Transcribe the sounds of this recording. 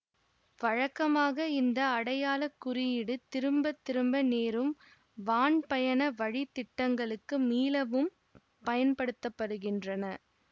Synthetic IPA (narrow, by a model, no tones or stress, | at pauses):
ʋɐɻɐkːɐmaːɣɐɪnd̪ɐːɽɐjaːlɐkːʊrɪjɪɽɯt̪ɪɾɯmbɐt̪ːɪɾɯmbɐneːɾɯm | ʋaːɳpɐjɐnɐʋɐɻit̪ːɪʈːɐŋɡɐɭɯkːɯmiːlɐʋɯm | pɐjɐnpɐɽɯt̪ːɐpːɐɽɯɣɪndrɐnɐ